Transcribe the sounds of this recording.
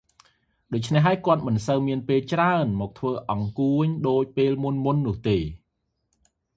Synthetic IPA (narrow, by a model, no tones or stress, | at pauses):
ɗoːc̚t͡ɕʰneɦːaəjkŏət̪̚mɨnsəwmiənpeːlt͡ɕraənmɔːk̚t̪ʰʋəːʔɑŋkuəɲɗoːc̚peːlmunmunːʊ̆əht̪eː